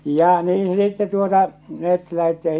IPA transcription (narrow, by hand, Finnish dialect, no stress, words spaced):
jɑ niːn̞ sitːe tuotɑ met læhetːi jɑ